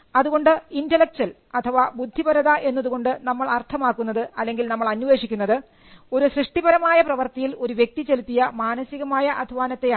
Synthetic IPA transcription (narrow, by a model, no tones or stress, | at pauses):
ɐðuɣo̞ɳɖɨindɐlːɐk̚t͡ɕɐl | ɐt̪ʰɐʋabud̪ʱːibɐɾɐðɐʔe̞nːɐðuɣo̞ɳɖɨnɐmːɐɭɐrt̪ʰɐmaːkːunːɐðɨɐlːe̞ŋɡilnɐmːɐɭɐnːuʋe̞ːʂikʲːunːɐðɨ | o̞ɾuɕrɨʂʈibɐɾɐmaːjɐprɐʋɐrt̪ɐjilo̞ɾuʋje̞k̚t̪it͡ɕelut̪ːijɐmaːnɐsiɣɐmaːjɐʔɐd̪ʱʋaːnɐt̪ːe̞ja